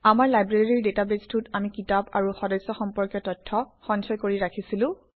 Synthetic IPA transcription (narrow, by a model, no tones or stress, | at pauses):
amaɹlajbɹaɹiɹdetabestʰutamikitapa̰ɹuxɔdɔjsɔxɔmpɔɹkjɔtɔtʰːɔxɔnsɔjkoɹiɹakʰisilʊ̃